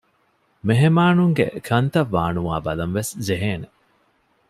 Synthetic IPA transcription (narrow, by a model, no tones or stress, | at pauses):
meɦemaːnuŋɡḛkʰɐnt̪ɐʋːaːnuaːbɐlɐnʋeszeɦeːne